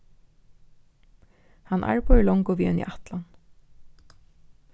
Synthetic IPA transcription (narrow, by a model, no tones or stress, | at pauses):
hanːʔa̰ɹpʰɔɛlɔŋkʊʋiːɛnḭʔat̪lan